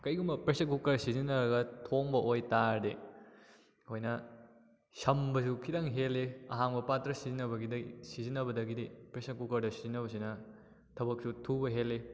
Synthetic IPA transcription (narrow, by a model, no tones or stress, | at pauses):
kɐjɡumbɐpɾesɐkukɐɾsizinɐɾɐɡɐtʰoŋbɐʔojtaɾde | hojnɐ | sɐmbɐs̬ukʰidaŋɦelːeɐ̰ɦaŋbɐpatɾɐsizinɐbɐɡidɐisizinːɐbɐdɐɡidepɾesɐkukɐɾdɐsizinɐbɐs̬inɐ | tʰɐbɐk̚sutʰubɐɦelːe